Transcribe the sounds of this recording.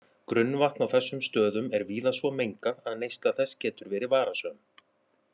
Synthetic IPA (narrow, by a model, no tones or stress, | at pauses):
kɾʏnːvaht̪nawθɛsːʏmst̪œːðʏmɛɾviːðasvɔmejŋkaðaðnejst̪aθɛscɛːt̪ʏɾvɛːɾɪvaːɾasœːm